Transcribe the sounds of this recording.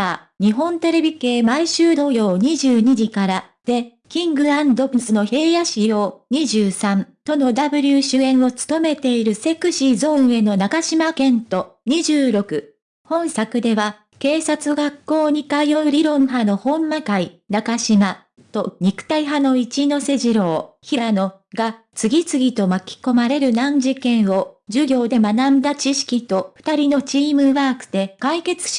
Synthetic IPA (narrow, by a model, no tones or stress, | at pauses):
ɲ̟iɦõ̞nt̪e̞ɾe̞bʲike̞ːmaiɕɨːd̪o̞jo̞ːɲ̟iʑɨːɲ̟id͡ʑikaɾa | d̪̥e̞ | kʲĩŋɡɯ̟ãnd̪o̞bɯsɨno̞he̞ːjaɕijo̞ːɲ̟iʑɨːsãnt̪o̞no̞d̪abɯ̟ɾʲɯɕɨẽ̞ɰ̃o̞t͡sɨ̥t̪o̞me̞t̪e̞iɾɯ̟se̞kɯ̟ɕizõ̞ɰ̃e̞no̞nakaɕimakẽ̞nt̪o̞ɲ̟iʑɨːɾo̞kɯ̟ | hõ̞ɰ̃sakɯ̟d̪e̞βa | ke̞ːsat͡sɨɡakːo̞ːɲ̟ikaijoɯɾʲiɾõ̞ɰ̃ɦano̞hõ̞mːakainakaɕima | t̪o̞ɲ̟ikɯ̟̥t̪aiɦano̞it͡ɕino̞se̞ʑiɾo̞ːçiɾano̞ | ɡa | t͡sɨɡʲit͡sɨɡʲit̪o̞makʲi̥ko̞maɾe̞ɾɯ̟nãɲ̟d͡ʑikẽ̞ɰ̃o̞d͡ʑɨɡʲo̞ːd̪e̞manãnd̪at͡ɕiɕi̥kʲit̪o̞ɸɯ̟̥t̪aɾʲino̞t͡ɕiːmɯ̟βaːkɯ̟̥d̪e̞kaike̞t͡sɨ̥